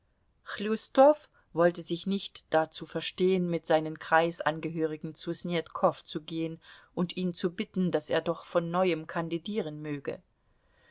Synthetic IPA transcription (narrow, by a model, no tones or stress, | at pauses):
xlustɔf | v̥ɔltəzɪçnɪçtd̥at͡suːfɛɐʃteːənmɪtz̥aɪnənkʁ̥aɪsʔa̰nɡəɦøːʁ̞ɪɡŋ̩t͡susnjɛtkʰɔft͡suɡeːənʔʊntiːmt͡subɪtn̩daseːɐdɔχfɔnːɔʏəmkʰandidiːʁ̞ənmøːɡə̰